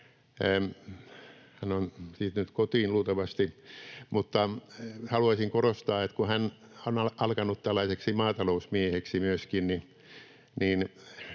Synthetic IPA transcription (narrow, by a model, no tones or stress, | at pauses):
hænonsiːt̪nyt̪kot̪iːnluːt̪ɑʋɑst̪imut̪ːɑhɑluɑsiŋkorost̪ɑːet̪kuhæn | onɑɑlkɑnut̪t̪ælːɑiseksimɑːt̪ɑlousmieheksimyøskinni | nin